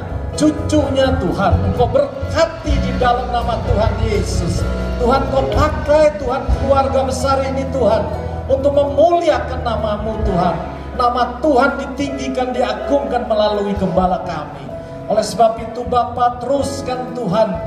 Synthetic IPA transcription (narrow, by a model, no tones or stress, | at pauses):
t͡ʃut͡ʃʊɲat̪uɦankabərkat̪ididalamnamat̪uɦanjesʊst̪uɦankopakajt̪uɦankəluarɡabəsaɾinit̪uɦan | unt̪ʊk̚məmuliakanːamamut̪uɦanː | amat̪uɦandit̪iŋɡikandiaɡʊŋkanməlaluikəmbalakamḭ | olɛhsəbap̚it̪ubapat̪ɾʊskant̪uɦan